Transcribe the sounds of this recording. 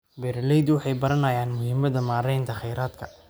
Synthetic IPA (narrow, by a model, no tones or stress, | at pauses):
bɛɾlɛjd̪wɑħɑjbɐɾɐnɐjaːnmʊhiːmɐðɐmaːɾɛjnt̪ʰɐχɛjɾaːd̪kʰɐ̥